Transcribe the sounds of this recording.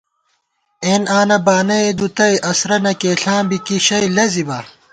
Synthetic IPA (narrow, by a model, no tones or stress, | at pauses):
eːnaːnɐbaːnɐed̪ut̪ɐjʔɐsɾɐnɐkeːɬãːbikiɕɐjlɐzibɐ